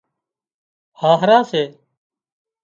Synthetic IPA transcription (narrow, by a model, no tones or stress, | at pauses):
haːɦəɾãːseː